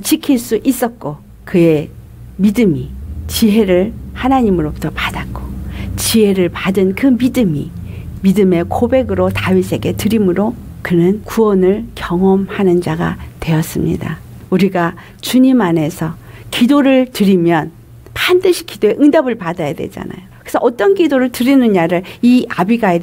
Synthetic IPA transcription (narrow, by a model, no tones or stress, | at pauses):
t͡ɕikʰiɭs͈uʔis͈ʌt̚k͈o | kɯe̞ | midɯmit͡ɕiɦe̞ɾɯɭhanaɲimɯɾobutʰʌpadak͈o̥t͡ɕiɦe̞ɾɯɭpadɯnkɯmidɯmḭ | midɯme̞kobe̞ɡɯɾotawisʰe̞ɡe̞tɯɾimɯɾokɯnɯnkuʌnɯɭkjʌŋʌmhanɯnd͡ʑaɡa̰twe̞ʌs͈ɯmɲḭda̰ | uɾiɡa | t͡ɕuɲimane̞sʰʌkidoɾɯɭtɯɾimjʌn | pandɯɕʰi̥kidoe̞ʔɯŋdabɯɭpadajadwe̞d͡ʑa̰na̰jokɯesʰʌʔʌt͈ʌnkidoɾɯɭtɯɾinɯɲaɾɯɭiabiɡae